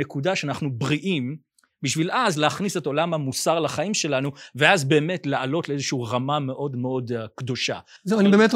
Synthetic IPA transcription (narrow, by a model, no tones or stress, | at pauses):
ekudaʃeanaχnubʁiʔim | biʃvilʔazleaχniseto̞lamhamusaʁlaχaimʃe̞lanuveazbe̞ːme̞tlealo̞tleezeʃiːʁamame̞ʔo̞dmeo̞dkdo̞ʃa̰ | zewanibemet